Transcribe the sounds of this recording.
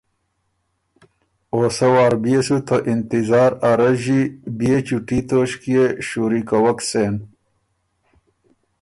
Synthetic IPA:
oːsɐwaːɾbijesut̪ʰɐʔint̪izaːɾɐɾɐʑibiet͡ɕuʈit̪oːɕkijeɕuːɾikɐwɐkseːn

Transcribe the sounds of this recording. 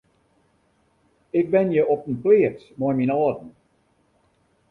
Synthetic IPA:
ɪk̚bɪnjəʔɔpənplɪəsmɔjminɔːdən̩

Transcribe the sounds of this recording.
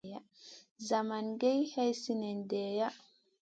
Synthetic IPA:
ja | zamanɡɛjhɛjsinɛndɛːja

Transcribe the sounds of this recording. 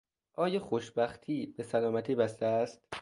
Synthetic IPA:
ʔɒːjɒːxoʃbæxt̪ʰiːbe̞sælɒːmæt̪ʰiːbæst̪eæst̪

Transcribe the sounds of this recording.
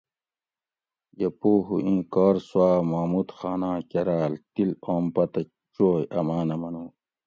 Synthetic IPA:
jɐpoːɦṵʔĩːkaːɾswaːmaːmut̪xaːnãːkɐɾaːlt̪iloːmpɐt̪ɐ | t͡ɕoːjɐmaːnɐmɐnuː

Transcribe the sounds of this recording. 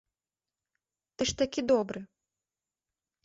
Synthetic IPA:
t̪ɨʂt̪akʲid̪ɔbɾɨ

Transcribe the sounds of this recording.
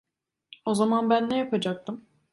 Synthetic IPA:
o̞zamanbænːejapʰad͡ʒak̚t̪ʰɯm

